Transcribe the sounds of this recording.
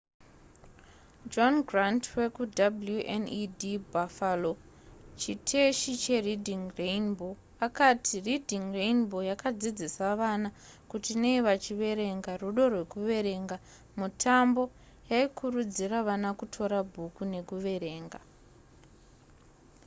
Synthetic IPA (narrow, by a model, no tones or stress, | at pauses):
d͡ʒonɡrantwe̞kudabuljuʔḛnidibafalo | t͡ʃitʰe̞ʃit͡ʃe̞ridʱiŋreinbo̞ | akatʰiridʱiŋreinbo̞jakad͡zid͡zisaʋanakutineiʋat͡ʃiʋe̞ɾe̞ŋɡaruɗo̞rwe̞kuʋe̞ɾe̞ŋɡa | mutʰambo̞ | jaikʰurud͡ziraʋanakutʰo̞ɾabʱukune̞kuʋe̞ɾe̞ːŋɡa